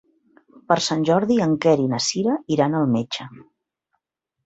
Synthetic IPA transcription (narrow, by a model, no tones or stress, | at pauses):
pəɾsanʲʒɔɾðiəŋkɛɾinəsiɾəiɾanəlˠmet͡ʃə